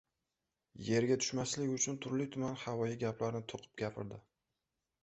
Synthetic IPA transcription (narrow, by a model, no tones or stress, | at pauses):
je̞ɾɡʲat̪ʰʊ̥ʃmaslɪkʲʊt͡ʃʰʊnt̪ʰʊɾlɪt̪ʰʊmanhavɒjɪɡʲaplaɾɪnɪt̪ʰoqʰɨ̥p̚ɡʲapʰɪɾd̪ɪ